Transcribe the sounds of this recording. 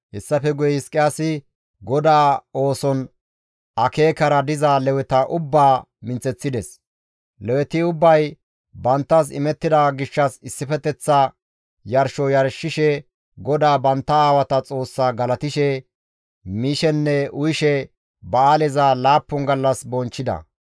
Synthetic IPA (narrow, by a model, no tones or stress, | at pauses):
hɛsːɐfɛɡʊjɛhɪskʼːɪjaːsɪ | ɡɔd̪aːo̞ːsɔn | ɐkeːkɐɾɐd̪ɪzalɛwɛt̪ɐʔʊbːaː | mɪnt͡sʼɛt͡sːɪd̪ɛs | lɛwɛt̪ɪʊbːɐj | bɐnt̪ːɐs̬ɪ̰mɛt̪ːɪd̪aɡɪʃːɐsɪsːɪfɛt̪ɛt͡sːɐ | jɐɾʃɔjɐɾʃɪʃɛ | ɡɔd̪aːbɐnt̪ːɐaːwɐt̪ɐt͡sʼo̞ːsːaːɡɐlɐt̪ɪʃɛ | miːʃɛnːɛʊjɪʃɛ | bɐaːlɛzalaːpːɔŋɡɐlːɐsbɔnt͡ʃːɪd̪ɐ̰